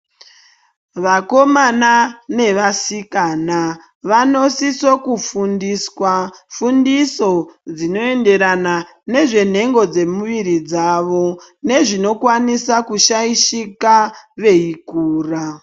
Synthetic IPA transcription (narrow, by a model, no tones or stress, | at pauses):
ʋako̞manane̞ʋasikana | ʋano̞siso̞kufundiswafundiso̞d͡zino̞e̞nde̞ɾana | ne̞ʐe̞n̤e̞ŋɡo̞d͡ze̞muʋiɾid͡zaʋo̞ne̞ʐino̞kwanisakuʃaiʃikaʋe̞ikuːra